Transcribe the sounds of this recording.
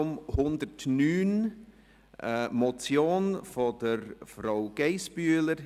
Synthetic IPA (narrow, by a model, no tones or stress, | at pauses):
mhʊndəɾtnyːn | ʔəmɔt͡sjoːnfodəɾfraʊɡ̥eɪsb̥yːələɾ